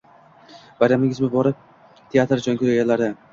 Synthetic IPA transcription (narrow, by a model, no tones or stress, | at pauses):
baɾamɪŋʲɪzmʊbɒɾɪp̚ | t̪ʰeat̪ɾd͡ʒɒŋkʲʰɪajalaɾd̪ɪ